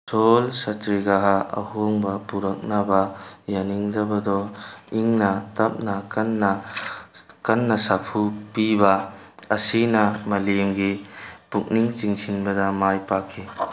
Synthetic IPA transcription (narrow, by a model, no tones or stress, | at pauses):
solsɐtɾiɡaɦaɐ̰hoŋbɐpuɾɐk̚nabɐjaniŋdɐbɐdɔiŋnɐtɐp̚nɐkɐnːa | kɐnːɐsapʰupibɐɐsinɐmɐlemɡipuk̚niŋt͡ʃiŋsinbɐdɐmajpakʰːi